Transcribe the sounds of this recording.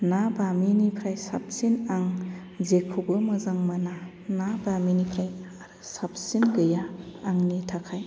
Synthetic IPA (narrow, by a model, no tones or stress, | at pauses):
nabaminipʰɾajsap̚sinaŋ | zekʰubɯmɐzaŋmana | nabaminipʰɾajaɾɯsap̚sinɡɯjaːŋnitʰakʰaj